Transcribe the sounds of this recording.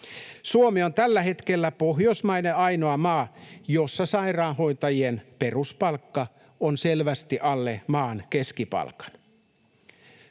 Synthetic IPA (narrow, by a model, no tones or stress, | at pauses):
suomio̞nt̪ælːæhe̞t̪kelːæpoɦjosmɑineɑjnoɑmɑːjo̞sːɑsɑirɑːnho̞it̪ɑjienperuspɑlkːɑ | onselʋæst̪iʔɑlːemɑːnkeskipɑ̰lkɑ̥n